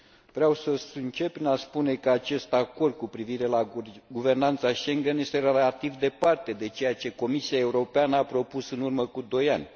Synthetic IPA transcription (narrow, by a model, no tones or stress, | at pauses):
vɾeawsəsɨnt͡ʃe̞p̚pːɾinaspune̞kəat͡ʃe̞st̪ako̞rd̪̚kupɾiviɾe̞laɡuve̞rnant̪saʃe̞ŋɡenje̞st̪e̞ɾelat̪ivd̪e̞part̪e̞d̪e̞t͡ʃe̞jat͡ʃe̞ko̞misiae̞uɾo̞peanəapɾo̞pusɨnurməkud̪o̞janʲ